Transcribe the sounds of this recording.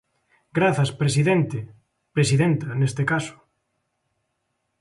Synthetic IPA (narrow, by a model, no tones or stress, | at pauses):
ɡɾaθɐspɾesiðent̪e | pɾesiðent̪ɐnest̪ekasʊ̥